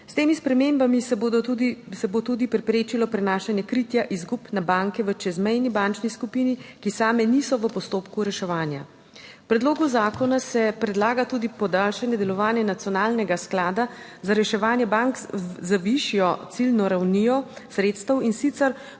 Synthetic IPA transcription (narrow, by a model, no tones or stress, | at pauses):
st̪eːmispɾɛmeːmbamisd̪sɛbot̪uːd̪ipɾɛpɾeːt͡ʃilɔpɾɛnaːʃanjɛkɾit̪jaʔizɡupnabaŋkɛʋət͡ʃɛzmɛjnibant͡ʃniskupinikisaːmɛnisɔʋəpɔst̪oːpkuɾɛʃɛʋaːnja̰ | wpɾɛd̪loːɡuzaːkɔnasɛpɾɛd̪laːɡat̪uːd̪ipɔd̪aːlʃanjɛd̪ɛlɔʋaːnjɛnat̪sjɔnaːlnɛɡasklaːd̪azaɾɛʃɛʋaːnjɛbaŋkzaʋiʃijɔt̪silnɔɾawnijɔsɾeːt̪st̪əwinsit̪sɛɾ